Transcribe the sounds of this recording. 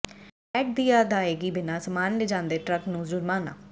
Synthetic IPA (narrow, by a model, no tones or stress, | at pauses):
ɛːk̚d̪iːaːd̪aːeːɡiːbɪnãːsəmaːnleːd͡ʒãːnd̪eːʈɾəknũːzʊɾmaːna̰ː